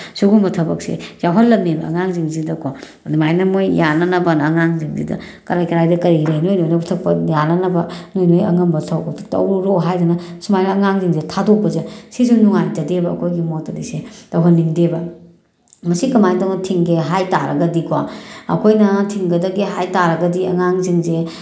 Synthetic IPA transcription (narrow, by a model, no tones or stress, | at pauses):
suɡumbɐtʰɐbɐksḛzawɦɐlːɐmnebɐɐ̰ŋaŋziŋzidɐkʰo | dumajnɐmojjanɐnɐbɐnɐːŋaŋziŋzḭdɐ̰kɐɾajkɐɾajdɐkɐɾiɾɐnojnojnɐpʰutʰɐk̚pɐjanɐnɐbɐnojnojɐ̰ŋɐmbɐtʰɐwtɐ̰wɾɾoɦajdɐnɐsumajnɐɐŋaŋziŋzetʰadok̚bɐzesizunuŋajd͡ʒɐdebɐɐ̰kʰojɡimotɐlisetɐwɦɐnːiŋdebɐ | mɐsikɐmajdoŋnɐtʰiŋɡeɦajtaɾɐɡɐdikʰwaɐ̰kʰojnɐtʰiŋɡɐdɐɡeɦajtaɾɐɡɐdiɐ̰ŋaŋziŋze